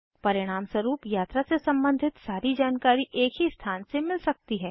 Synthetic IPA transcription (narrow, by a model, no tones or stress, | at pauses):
pɐɾɪɽ̃aːmswɐɾuːpjaːt̪ɾasesɐ̃mbə̃nd̪ʱɪt̪saːɾid͡ʒaːnkaːɾiʔeːkɦist̪ʰaːnsemɪlsɐk̚t̪iɦɛː